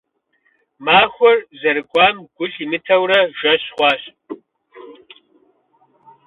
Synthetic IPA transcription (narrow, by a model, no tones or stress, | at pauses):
maːxʷɔrzɐɾɨɡʷʼɑːmɡʷʊɕimɨtʰɐwrɐʒʷɐɕχʷɑːɕʼ